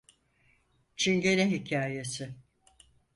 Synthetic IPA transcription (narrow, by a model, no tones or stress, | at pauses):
t͡ʃʰiɲɟeniɦicʰaːjesɪ